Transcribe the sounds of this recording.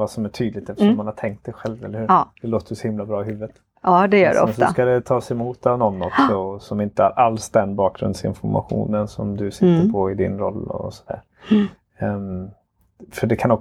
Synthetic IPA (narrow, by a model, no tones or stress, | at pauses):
vasɔmæʈʰyːd̪lɪt̪ɛft̪əʂɔmːanhaʈʰɛŋkt̪sɛjɧɛlvɛlːəɾhʉːɾd̪̥ɛloːt̪əsɔhɪmlabɾɑːɪɦʉ̟ːvət̪ː | d̪ɛjœːɖ̰ɔɛnsɔ̰skad̪ɛt̪ʰɑːsɛmuːt̪ːavnɔnːɔksɔsɔmɪnt̪əhaɾʔalsd̪ɛnbɑːk̚ɡɾɵ̰nd̪sɪ̰nfɔɾma̰ɧṵːnənsɔmd̪ɵsɪt̪ːəɾpʰɔɪd̪ɪ̰nɾɔlːɔ̰sɔd̪æ̰ːɾ | fœɖɛkʰanɔk